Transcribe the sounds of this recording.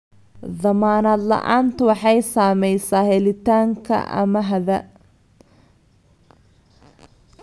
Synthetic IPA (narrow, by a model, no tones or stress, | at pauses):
ðɐmaːnaːd̪lɐ̰ʔaːnt̪ɐwɑħɑjsaːmɛjsaːhɛlɪt̪aːŋkʰɐ̰ʔɐ̰mɐɦɐðɐ